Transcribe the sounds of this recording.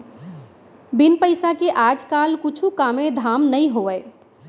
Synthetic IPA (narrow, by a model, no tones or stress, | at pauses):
bɪnpəɪsakeʔad͡ʒkalkʊt͡ʃʰukamẽd̪ʱaːmnəĩɦoʋə